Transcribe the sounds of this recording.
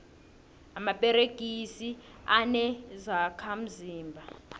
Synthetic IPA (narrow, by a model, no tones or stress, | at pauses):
amapʼɛɾeɡ̥ʱisi | anɛzakʰam̩ziːmbʱa